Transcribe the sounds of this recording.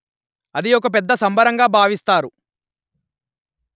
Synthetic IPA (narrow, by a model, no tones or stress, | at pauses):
ɐd̪iɔk̬ɐp̬ɛd̪ːɐsɐmbɐɾɐŋɡaːbʱaːʋist̪aːɾu